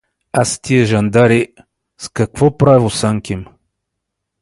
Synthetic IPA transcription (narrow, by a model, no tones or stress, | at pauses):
ast̪iɛʒɐnd̪aɾi | skɐkvɔpɾavosaŋkʲim